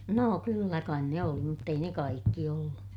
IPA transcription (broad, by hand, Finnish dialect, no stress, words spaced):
noː kylːæ kɑin ne oli mutː ei ne kɑikːi olːu